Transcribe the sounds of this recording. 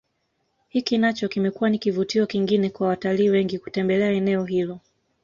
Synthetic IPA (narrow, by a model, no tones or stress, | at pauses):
hikinat͡ʃɔkimɛkuwanikivutiɔkiŋɡinɛkwawataliːwɛŋɡiku̥tɛmbɛlɛaɛnɛɔɦilɔ